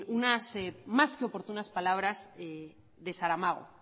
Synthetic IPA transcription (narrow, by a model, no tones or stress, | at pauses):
unasemaskeo̞po̞ɾt̪unaspalaβ̞ɾaze | ðe̞saɾamaɣo̰